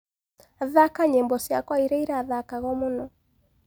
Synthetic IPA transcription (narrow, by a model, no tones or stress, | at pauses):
aðakaɲembɔsjakwaiɾeiɾaːðakaɣɔmonɔ